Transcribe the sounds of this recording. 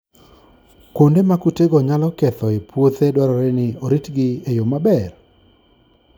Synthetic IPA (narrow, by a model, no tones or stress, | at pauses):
kondemakuteɡɔɲalɔkɛt̪ɔɪpwot̪edwaɾɔɾenɪoɾitɡɪejomabɛr